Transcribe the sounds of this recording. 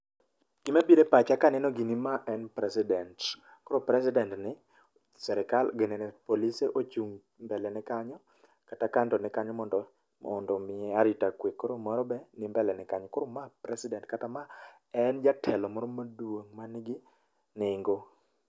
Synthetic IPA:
ɡ̥ɪmabiɾepat͡ʃakanɛnɔɡinimaʔɛnpɾɛsɪdɛnt | koɾopɾɛs̬ɪdɛntnɪ | sɛɾɛkalɡɛnɛnɛpoliseʔot͡ʃuŋ | mbɛlɛnɛkaɲɔ | katakantɔnɛkaɲɔmɔndɔ | ɔndɔmɪɛaɾitakwekːoɾomɔɾɔbɛnɪmbɛlɛnɪkaɲɔkoɾomapɾɛsɪdɛntkatama | ɛnd͡ʒatʰɛlɔmɔɾɔmadwoŋmanɪɡɪ | nɪŋɡo

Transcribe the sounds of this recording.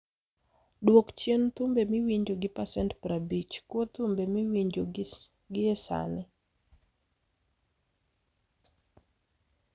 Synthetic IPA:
dwokt͡ʃjent̪ʊmbemɪwiɲd͡ʒoɡɪpasɛntpɾabit͡ʃkwot̪ʊmbemɪwiɲd͡ʒo | ɡɪɛsa̰nɪ

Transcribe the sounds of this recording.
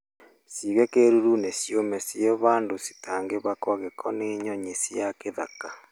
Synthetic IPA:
siɣɛkeɾuɾunesjomɛsjeβaːndosi̥taːŋɡeβakwaɣekʰɔneːɲɔɲesijakeðaka

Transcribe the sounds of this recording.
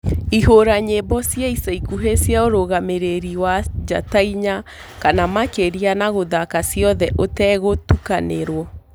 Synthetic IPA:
iɦoɾaɲebɔsjaisaikuɦesjaoɾoɣameɾeɾiwad͡ʒa̰taiɲa | kanamakeɾianaɣoðakasiɔðɛʔotɛɣotukaneɾwɔ

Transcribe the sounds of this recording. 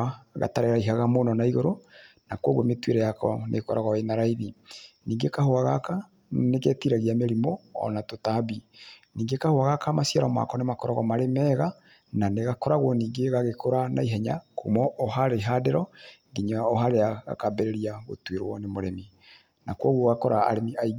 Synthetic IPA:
aɣa̰taɾeɾaiɦaɣamonɔnaiɣoɾo | nakwoɣwometweɾɛjakɔ̰nʔḛkɔɾaɣɔenaɾaiðiniːŋɡekahoaɣaka | nekɛtiɾaɣiameɾimoɔ̰natotabiniːŋɡekahoaɣakamasiaɾɔma̰kɔnemakɔɾaɣɔmaɾemɛɣa | naneɣakɔɾaɣwɔniːŋɡeɣaɣekoɾana̰iɦɛɲakomɔʔɔɦaɾeɦadeɾɔŋɡiɲaɔɦaɾeaɣa̰kabɛɾeɾiaɣo̰tweɾwɔ̰nemoɾemi | nakwoɣoɣakɔɾa̰ːɾemiai

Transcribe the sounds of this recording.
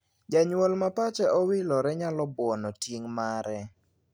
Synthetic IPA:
d͡ʒaɲwolmapat͡ʃɛʔɔwɪlɔɾɛɲalɔbɔnɔtjeŋmaɾɛ

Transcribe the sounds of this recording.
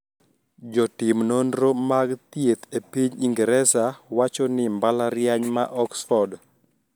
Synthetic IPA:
d͡ʒɔtɪmnondɾomaɡt̪jet̪epiɲiŋɡɾɛsawat͡ʃɔnɪmbalaɾjaɲmaʔɔksfɔrd

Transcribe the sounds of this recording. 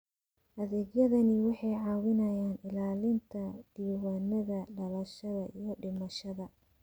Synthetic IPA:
ʔɐðɛːɡjɐðɐnɪwɑħɑjʕɑːwɪnɐjaːnɪlaːlɪnt̪ʰɐd̪̥iːwaːnɐðɐɖɐlɐʃɐðɐʔijɞɖɪmɐʃɐðɐ

